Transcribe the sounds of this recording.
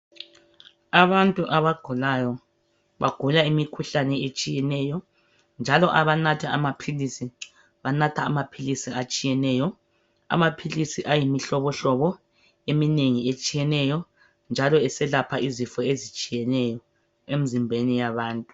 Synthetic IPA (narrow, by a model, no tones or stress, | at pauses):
aβantʼuʔaβaɡ̥ʱulajɔ | βaɡ̥ʱulaimikʰuɬanɛet͡ʃʼijɛnɛjɔ | nd͡ʒʱalɔʔaβanatʰaamapʰilisi | βanatʰaːmapʰilisiat͡ʃʼijɛnɛjɔ | a̰mapʰilisiʔajimiɬɔβɔɬɔβɔ | emineŋiet͡ʃʼijɛnɛjɔ | nd͡ʒʱalɔɛsɛlapʰaizifɔezit͡ʃʼijɛnɛjɔ | em̩zimbʱenijaβaːntʼu